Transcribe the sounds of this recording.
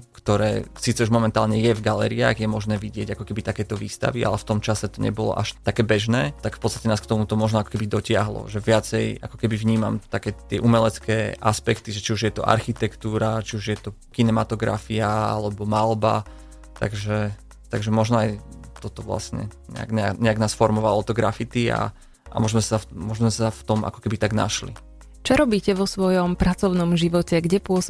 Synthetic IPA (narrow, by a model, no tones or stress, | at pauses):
kt̪ɔɾɛ̰ːsiːt͡sɛuʒmɔmɛnt̪aːlɲɛjɛvɡalɛ̰ːɾia̰ːɣjɛmɔʒnɛːʋiɟɪɛɟakɔkɛbit̪akɛːt̪ɔʋḭːst̪a̰ʋiʔa̰lɛft̪ɔmt͡ʃasɛt̪ɔɲɛ̰bɔlɔ̰ʔaʃt̪akɛːbɛʒnɛːt̪akfpɔtt͡sst̪ḁcɛnaːskt̪ɔmut̪ɔmɔʒnɔakɔ̥kɛbid̪ɔcɪaɦlɔ̰ʒɛʋɪat͡sɛjʔakɔ̥kɛbivɲiːma̰mt̪akɛːt̪ːɪɛ̰ʔumɛlɛt͡skɛːʔaspɛkt̪iʒɛt͡ʃiuʒjɛt̪ɔʔa̰ɾxit̪ɛkt̪uːɾat͡ʃiuʒjɛt̪ɔ | kinɛmat̪ɔɡɾa̰fiaa̰lɛbɔmalˠba̰ | t̪a̰ɡʒɛ | t̪aɡʒɛmɔʒnɔajt̪ɔt̪ɔʋla̰sɲɛ̰ɲɛ̰a̰ɡɲɛa̰ɲɛaɡnaːsfɔɾmɔʋalɔt̪ɔɡɾafit̪ia̰ | ʔa̰mɔʒmɛsamɔʒmɛsaft̪ɔmʔa̰kɔ̥kɛbit̪aɡna̰ʃlḭ | t͡ʃɔɾɔbiːcɛʋɔsʋɔjɔmpɾat͡sɔʊnɔmʒiʋɔcɛɡɟɛpʊɔs